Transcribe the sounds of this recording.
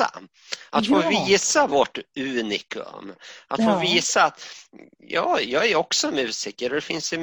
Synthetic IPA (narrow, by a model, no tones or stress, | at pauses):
a̰ | ʔat̪foːviːsavɔʈːʉ̟ːnɪkʰɵ̰mat̪foːviːsaːt̪ | jɑːjɑːɡæɾɔksɔmʉ̟ːsɪkːəɾɔd̪ɛfɪnsɪ